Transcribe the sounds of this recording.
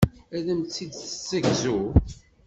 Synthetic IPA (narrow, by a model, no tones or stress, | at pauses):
æðəmt͡sːid̪θə̥t͡sːəɡzu